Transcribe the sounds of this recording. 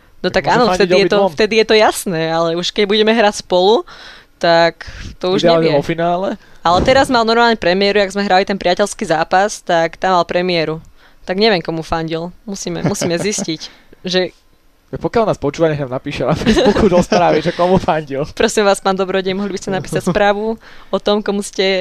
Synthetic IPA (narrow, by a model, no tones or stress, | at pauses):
nɔt̪aɡaːnɔft̪ɛjɛt̪ɔft̪ɛd̪ijɛt̪ɔjasnɛːalɛuʃkɛɟbuɟɛmɛɦɾacspɔlut̪akt̪ɔuʒɛɛɲɛɔfinaːlɛalɛt̪ɛɾazmalnɔɾmaːlɲɛpɾɛmɪɛɾuaɡzmɛɦɾalit̪ɛnpɾɪacɛlskiːzaːpast̪akt̪amːalpɾɛmɪɛɾu | t̪aɡɲɛʋjɛŋkɔmufaɲɟilmusiːmɛ̰musiːmɛziscic | ʒɛ | apɔkjalnaːspɔt͡ʃuːʋaɲɛɦnaːmnapiːʃɛafukud̪ɔsp̪ɾaːʋiʒɛkɔmufaɲɟilpɾɔsimʋaːspaːnd̪ɔbɾɔɟɛmɔɦlibiscɛnapiːsacspɾaːʋu | ɔt̪ɔmkɔmuscɛ